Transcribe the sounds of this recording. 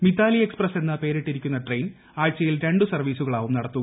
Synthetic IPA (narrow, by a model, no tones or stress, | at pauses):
mit̪ːaːlie̞ksprɐse̞nːɐpe̞ːɾeʈːiɾikʲːunːɐʈrejn | aːjt͡ɕːɐjilɾe̞ɳɖɨsɐrʋiːsuɣɐɭaːʋumnɐɽɐt̪ːuɣɐ